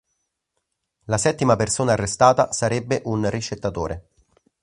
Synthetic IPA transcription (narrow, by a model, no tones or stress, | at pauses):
lasɛt̪ːimapersoːnaːrːest̪aːt̪asaɾɛbːeʔunrit͡ʃːet̪ːat̪oːɾʔe